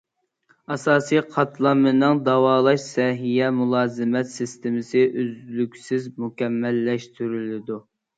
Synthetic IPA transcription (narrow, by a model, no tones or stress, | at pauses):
ɑsɑːsijqʰɑt̪lˠɑmːɨnɨŋd̪ɑwɑːlˠɑʃsɛɦijɛmulˠɑːzɨmɛt̪sɪst̪ɪmɪsɪʔyzlykʲsɪzmukʲɛmːɛlːɛʃt̪ʰyɾylɪd̪u